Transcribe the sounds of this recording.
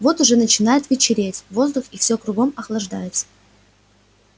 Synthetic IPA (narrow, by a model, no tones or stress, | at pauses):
vo̞t̪ʊʐɛnət͡ɕɪnajɪt̪vʲɪt͡ɕːɪɾʲetʲvo̞zd̪ʊxifsʲokɾʊɡomɐxlˠɐʐd̪ajɪt̪sə̥